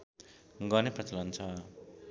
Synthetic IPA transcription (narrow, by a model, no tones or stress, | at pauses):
ɡʌneprʌt͡sʌlʌnt͡sʰʌ